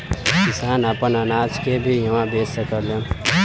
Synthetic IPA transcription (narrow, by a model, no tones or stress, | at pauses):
kɪsaːnəpənənaːd͡ʒkebʱijəʋãbeːsəkəɾljõ